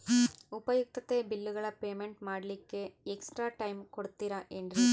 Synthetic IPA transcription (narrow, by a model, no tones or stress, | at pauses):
upɐjuk̚t̪ɐt̪eːbilːuɡɐɭɐpeːmeɳʈmaːɽɐlikːe̞eksʈɾaːʈɐjmkoɽut̪ːiɾɐʔend̪ɾi